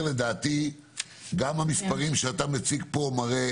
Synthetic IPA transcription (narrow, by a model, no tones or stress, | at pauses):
led̪aːt̪i | ɡamhamispaʁimʃeat̪amet͡siɡpo̞maʁe